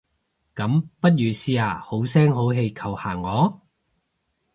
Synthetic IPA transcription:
kɐ˨˥mpɐ˥t̚jyː˨˧siː˧aː˨˩ho˨˥wsɛː˥ŋɦo˨˥wɦe˧jkʰɐ˨˩whaː˨˩ŋːɔː˨˧

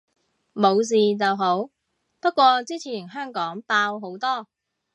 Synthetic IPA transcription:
mo˨˧ws̬iː˨t͡sɐ˨wɦo˨˥w | pɐ˥t̚kʷɔː˧t͡siː˥t͡sʰiː˨˩nɦœː˥ŋkɔː˨˥ŋpaː˧wɦo˨˥wt̪ɔː˥

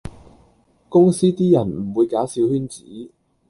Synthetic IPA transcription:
kʊ˥ŋsiː˥t̪iː˥jɐ˨˩nm̩˨˩wuː˨˧jkaː˨˥wsiː˨˥whyː˥nt͡sḭː˨˥

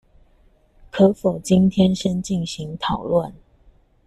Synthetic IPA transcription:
kʰɤ˨˧˥fo˨˩ʊt͡ɕi˥nt̪ʰjɛ˥nʂə˥nt͡ɕi˥˩nɕi˨˦ŋt̪ʰɑ˨˩ʊlwə˥˨n

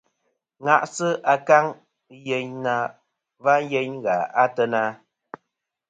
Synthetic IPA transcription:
ŋa˨ʔsɨ˦ʔa˨ka˦ŋ˦ | je˦ɲna˦ | va˦n˦je˦ɲɣa˨a˦tə˦na˦

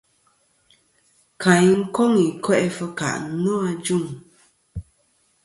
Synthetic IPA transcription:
kʰã˨jŋ̩˦ko˦ŋi˨kwɛ˦ʔɛ˦fə˦ka̰˨ʔnɔ˦a˧d͡ʒu˦˨ŋ

